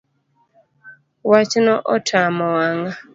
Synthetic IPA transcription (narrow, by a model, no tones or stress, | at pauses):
wat͡ʃnɔʔɔtʰamɔwaŋa